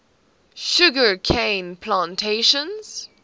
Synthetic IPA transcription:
ʃʊɡəkʰẽɪ̃npʰlãntʰeʃə̃nz̥

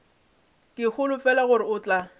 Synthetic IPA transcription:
kʼɪk͡xʊlʊfɛlaɣʊɾɪʊːt͡ɬʼa

